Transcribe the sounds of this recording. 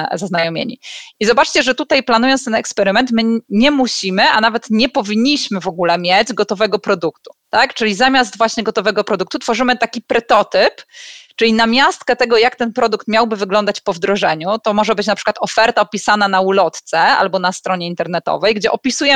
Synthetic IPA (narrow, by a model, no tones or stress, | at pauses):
zaznajɔmʲjḛɲḭizɔbat͡ʂt͡ɕɛʐɛt̪ut̪ajplanujɔnst̪ɛnɛkspɛɾɘmɛnt̪mɘɲɛmuɕimɘʔa̰navɛt̪ɲɛpɔvʲiɲːiɕmɘvɔɡulɛmʲjed͡ʑɡɔt̪ɔvɛɡɔpɾɔd̪ukt̪u̥t̪akt͡ʂɘlʲizamʲazd̪vwaɕɲɛɡɔt̪ɔvɛɡɔpɾɔd̪ukt̪ut̪fɔʐɘmɘt̪akʲipɾɛt̪ɔt̪ɘpt͡ʂɘlʲinamʲjast̪kɛt̪ɛɡɔjakt̪ɛnpɾɔd̪ukt̪mʲjawbɘvɘɡlɔnd̪at͡ɕpɔvd̪ɾɔʐɛɲut̪ɔmɔʐɛbɘt͡ɕnapʂɘ̥kwat̪ɔfɛɾt̪aɔpʲisananaulɔt̪t̪sɛa̰lbɔnast̪ɾɔɲɛint̪ɛɾnɛt̪ɔ̰vɛjɡd͡ʑɛʔɔpʲisujɛ